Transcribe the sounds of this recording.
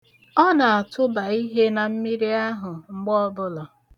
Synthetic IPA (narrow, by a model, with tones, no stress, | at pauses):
ɔ˦na˨a˨tʊ˦ba˨i˦ɦe˦na˨m̩˦mi˦ɾi˦a˦ɦʊ˨ŋ͡m̩˦ɡ͡bɔ˦bʊ˦lɔ˨